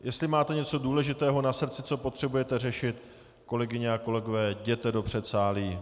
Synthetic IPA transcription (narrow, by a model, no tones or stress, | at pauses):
jɛst̪lɪmaːt̪ɛɲɛt͡so̞duːlɛʒɪt̪ɛːɦo̞nasr̩t͡sɪt͡so̞po̞t̪r̝̥ɛbujɛt̪ɛrɛʃɪt̪ | ko̞lɛɡɪɲɛako̞lɛɡovɛːɟɛt̪ɛdo̞pr̝̥ɛt̪saːliː